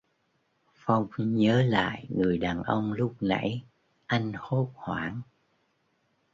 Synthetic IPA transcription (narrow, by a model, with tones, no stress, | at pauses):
fa˧wŋ͡mɲəː˨˦la̰ː˧˨jŋɨ˨˩əjɗaː˨˩nʔə˧wŋ͡mlʊ˦˥k͡p̚na̰˧˥j | ʔa˧jŋ̟ho˦˥p̚hwaː˧˩ŋ